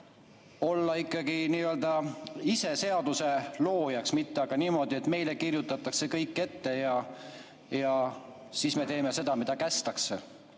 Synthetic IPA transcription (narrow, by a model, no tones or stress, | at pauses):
o̞lːɑikˑːɑɡ̥iniːø̞ld̪ɑise̞se̞ɑd̪̥use̞lo̞ːjɑksmit̪ːe̞ɑɡ̥ɑniːmo̞d̪ie̞t̪me̞jle̞kirjut̪ːˑɑt̪ːˑɑkse̞kɤjkːˑe̞t̪ːe̞jɑ | jɑ | siːsme̞t̪e̞ːme̞se̞d̪̥ɑmid̪ɑkæst̪ɑksḛ